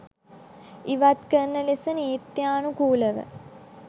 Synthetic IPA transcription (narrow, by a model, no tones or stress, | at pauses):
iʋat̪kənːəlesəniːt̪jaːnukuːləʋə̰